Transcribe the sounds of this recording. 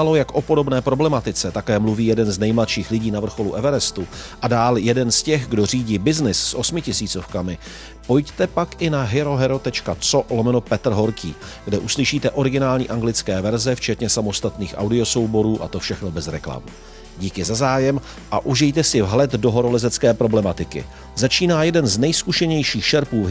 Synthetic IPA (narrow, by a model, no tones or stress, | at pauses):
alo̞jakʔo̞po̞do̞bnɛːpɾo̞blɛmat̪ɪt͡sɛt̪akɛːmluviːjɛdɛnznɛjmlat̪ʃiːxlɪɟiːnavr̩xo̞luʔɛvɛɾɛst̪uʔadaːljɛdɛnscɛxɡdo̞r̝iːɟiːbɪznɪsːʔo̞smɪcɪsiːt͡so̞fkamɪ | po̞jct̪ɛpakʔɪnaɦɪɾo̞ɦɛɾo̞t̪ɛt͡ʃkat͡so̞ʔlomɛno̞pɛt̪r̩ɦo̞ɾkʰiː | ɡdɛʔuslɪʃiːt̪ɛʔo̞ɾɪɡɪnaːlɲiːʔaŋɡlɪt͡skɛːvɛɾzɛft͡ʃɛt̪ɲɛsamo̞st̪at̪niːxʔa̰wdɪo̞so̞wbo̞ɾuːʔa̰t̪o̞fʃɛxno̞bɛzɾɛ̰kla̰mṵ | ɟiːkɪzazaːjɛm | ʔaʔuʒɪjt̪ɛsɪvɦlɛt̪do̞ɦoɾo̞lɛzɛt͡skɛːpɾo̞blɛmat̪ɪkɪ̰ | zat͡ʃiːnaːjɛdɛnznɛjskuʃɛɲɛjʃiːxʃɛɾpuː